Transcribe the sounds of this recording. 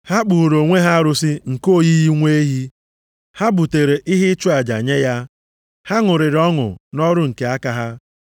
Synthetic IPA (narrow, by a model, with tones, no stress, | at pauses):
ha˦k͡pu˨ɾo˨ŋʷe˦ɦa˦ɾʊ˦si˦ŋ̩˨ko˦ji˦ji˦ŋʷe˦ɦi˦ | ha˦bu˨te˨ɾe˨ʔi˦ɦi˦t͡ʃu˦a˨d͡ʒa̰˨ɲe˦ja˦ | ha˦ŋʊ˨ɾɪ˨ɾɔ˦ŋʊ̰˨nɔ˦ɾʊ˦ŋ̩˨ke˨a˦ka˦ɦa˦